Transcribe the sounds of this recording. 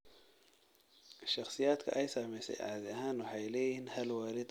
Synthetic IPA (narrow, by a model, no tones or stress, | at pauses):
ʃɑχsɪjaːd̪kʰɐ̰ʔɛjsaːmɛjsɛ̰jʕɑ̰ʕd̪ɪɐɦaːnwɑħɑjlɛːjɪnhɐlwaːlɪd̪